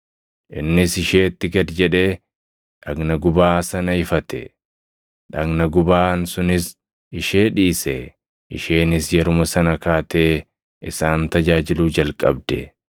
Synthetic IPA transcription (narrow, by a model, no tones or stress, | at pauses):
ʔɪnːɪsɪʃeːt̪ːɪɡɐd̪d͡ʒɛᶑeː | ᶑɐɡnɐɡʊbaːsɐnɐɪfɐt̪ɛ̰ | ᶑɐɡnɐɡʊbaːnsʊnɪs | ɪʃeːᶑiːsɛ | ʔɪʃe̞ːnɪsjɛɾʊmɐsɐnɐkaːt̪eː | ɪsaːnt̪ɐd͡ʒaːd͡ʒɪluːd͡ʒɐlkʼːɐb̚d̪ɛ